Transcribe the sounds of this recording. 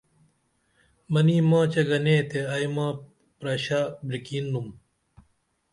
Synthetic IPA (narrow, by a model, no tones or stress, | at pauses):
mɐniːmãːt͡ɕɐɡɐnẽːt̪eɐjmãː | pɾɐɕaːbɾikiːnːum